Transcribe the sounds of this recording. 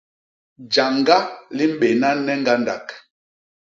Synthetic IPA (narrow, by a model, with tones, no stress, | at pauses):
d͡ʒa˨ŋɡa˦li˦m̩˦ɓe˨na˦nɛ˦ŋ˦ɡa˦nda˨k